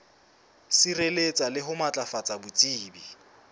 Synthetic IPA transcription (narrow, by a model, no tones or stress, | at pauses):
sirelet͡sʼalɪɦʊmat͡ɬʼafat͡sʼabʊt͡sʼiːbi